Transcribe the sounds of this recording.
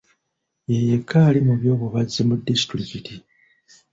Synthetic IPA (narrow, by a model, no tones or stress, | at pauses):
jejekʰːaːlimuβjo̞ːβuβazimudːisi̥tɾikiti